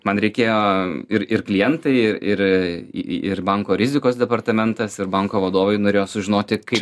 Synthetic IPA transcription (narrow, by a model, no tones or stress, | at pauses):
mɐnɾʲɛɪkʲeːjoːɪɾɪɾklʲɪjɛnt̪ɐɪɪɪɾ̰ | ɪ̰ɾbɐŋkoːɾʲɪzʲɪkoːsd̪ʲɛpɐɾt̪ɐmʲɛnt̪ɐsɪɾbɐŋkoːʋɐd̪oːʋɐɪnoːɾʲeːjoːsʊʒʲɪnoːt̪ʲɪkɐɪp